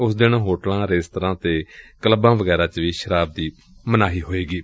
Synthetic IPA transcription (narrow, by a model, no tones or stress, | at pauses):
ʊsd̪ɪnːɦoːʈəlãːɾeːst̪əɾãːt̪eːkələbãːʋəɡɛːɾãːt͡ʃʋiːʃəɾaːb̚d̪iː | mənaːɦiːɦoːeːɡiː